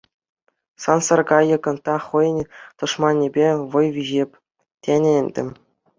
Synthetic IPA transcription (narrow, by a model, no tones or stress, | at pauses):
sɑnsɑrɡɑjɤ̆ɡɤ̆nt̪ɑχɤ̆jɤ̆nʲt̪ɤ̆ʂmɑnʲːebʲeʋɤ̆jʋʲiʑepʲ | tʲenʲɘ̆ɘ̆nʲd̪ʲɘ̰̆mʲ